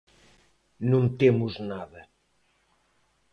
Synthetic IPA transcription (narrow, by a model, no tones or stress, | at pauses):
nõnt̪emʊznaðɐ